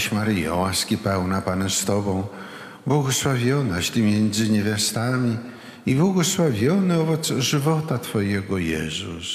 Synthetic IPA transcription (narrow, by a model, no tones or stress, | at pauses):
ɕmaɾɨjɔ̰waskʲipɛwnapanɛst̪ɔbɔ̃w̃ | bwɔɡɔswavʲjɔnaɕt̪ʲimʲjɛnd̪zɘɲevʲjast̪amʲi | ibwɔɡɔswavʲjɔnɨɔvɔt̪sʐɘvɔt̪at̪fɔjɛɡɔjɛ̰zṵs